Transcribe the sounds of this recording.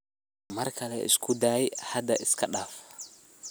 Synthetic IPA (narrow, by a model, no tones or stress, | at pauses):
mɐrkʰɐlɛʔɪ̰skʰʊd̪aːjhɐd̪ɐʔɪskʰɐɗaːf